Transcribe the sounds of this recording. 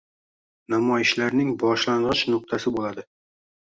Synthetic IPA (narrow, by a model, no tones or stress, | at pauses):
namɒjɪʃlaɾnɪŋbɒʃlanʁɒt͡ʃnʊq̚t̪ʰasɪbolad̪ɪ